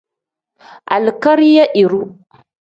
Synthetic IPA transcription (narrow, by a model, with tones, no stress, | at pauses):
ʔa̰˨lka˦ɾi˦ja˦ʔi˨ɾu˦